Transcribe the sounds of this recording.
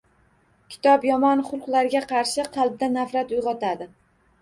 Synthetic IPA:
kʲʰɪ̥t̪ʰɒpjɒmɒnχʊlˠqlˠaɾɡʲaqʰɑɾʃɪqʰɑlˠb̚d̪anafɾat̪ʊjʁɒt̪ʰad̪ɪ

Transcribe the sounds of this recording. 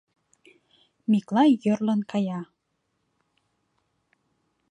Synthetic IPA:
miklɑjərlənkʰɑjɑ

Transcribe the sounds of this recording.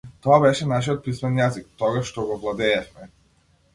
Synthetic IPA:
t̪ɔabɛʃɛnaʃiɔt̪̚pismɛnjazik̚t̪ɔɡaʃːt̪ɔɡɔvlˠad̪ɛːfmɛ

